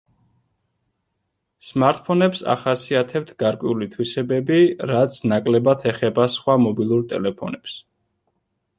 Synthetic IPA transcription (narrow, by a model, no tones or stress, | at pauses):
smaɾt̪̚ʼpʰɔnɛpsa̰χasiat̪ʰɛp̚t̪ʰɡaɾkʼwɛulit̪ʰwisɛbɛbiɾat̪sʰnakʼlɛbat̪ʰɛχɛbasχwamɔbilˠuɾt̪ʼɛ̰lɛpʰɔnɛps